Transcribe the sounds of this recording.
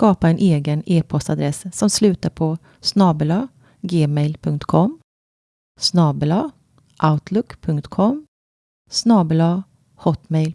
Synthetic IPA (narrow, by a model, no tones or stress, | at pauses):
skɑːpaɛnʔeːɡəneːpʰɔst̪ad̪ɾɛssɔmslʉ̟ːt̪aɾpʰɔ | snɑːbəlɑ | ɡeːmɛjlpʰɵŋkt̪kʰɔm | snɑːbəlɑ | ʔaʊt̪ʰlʊkːpʰɵŋkt̪kʰɔmː | snɑːbəlɑ | hɔt̪mɛjl